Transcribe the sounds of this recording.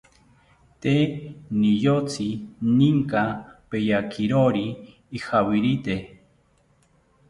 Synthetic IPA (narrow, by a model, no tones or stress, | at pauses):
t̪enijot͡sʰiniŋkapejakiɾoɾiː | hawiɾit̪e